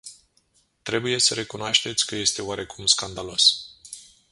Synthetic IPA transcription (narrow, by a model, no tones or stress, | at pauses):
t̪ɾe̞buje̞səɾe̞kunoaʃt̪e̞t̪sʲkəje̞st̪e̞owaɾe̞kumskand̪alo̞s